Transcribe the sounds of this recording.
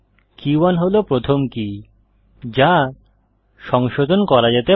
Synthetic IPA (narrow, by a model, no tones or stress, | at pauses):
kiwanɦolopɾot̪ʰomki | d͡ʑa | ʃɔŋʃod̪ʱonkɔɾad͡ʑet̪e